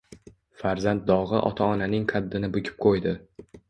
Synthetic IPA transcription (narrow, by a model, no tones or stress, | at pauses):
faɾzant̪̚d̪ɒʁɨʔɒ̰t̪ʰaɒnanɪŋqʰɑd̪ːɪnɪbʊkʲʰɪ̥p̚qʰojd̪ɪ